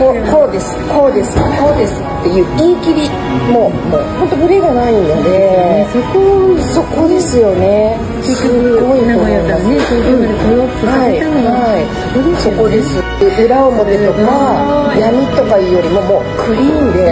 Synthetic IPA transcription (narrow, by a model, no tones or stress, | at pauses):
koko̞ːd̪e̞sɨ̥kʰo̞ːd̪e̞sɨ̥ko̞ːd̪e̞sɨ̥t̪ːe̞jɯ̟ːĩŋkʲiɾʲi | mo̞ː | moho̞nt̪o̞bɯ̟ɾʲeɡanaĩnːod̪e̞koso̞ko̞d̪e̞sɨjo̞ne | sɯɡo̞it̪omõnd̪esnesɡɯokɯɾaiihai | ɾsokod̪es | ɯ̟ɾaomod̪et̪o̞kajamʲit̪o̞kaiːjoɾʲimomo̞ːkʰɯ̟ɾʲiːnd̪e